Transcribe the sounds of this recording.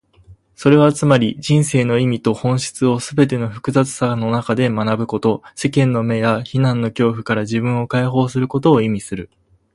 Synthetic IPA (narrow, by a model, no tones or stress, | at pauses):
so̞ɾe̞β̞at͡sɨmaɾʲid͡ʑĩɰ̃se̞ːno̞imʲit̪o̞hõ̞ɰ̃ɕi̥t͡sɨo̞sɨbe̞t̪̬e̞no̞ɸɯ̟̥kɯ̟zat͡sɨ̥sano̞nakad̪e̞manabɯ̟ko̞t̪o̞se̞kẽ̞nːo̞me̞jaçinãnːo̞kʲo̞ːɸɯ̟̥kaɾaʑibɯ̟̃ɰ̃o̞kaiɦo̞ːsɨɾɯ̟ko̞t̪o̞ːimʲisɨɾɯ̟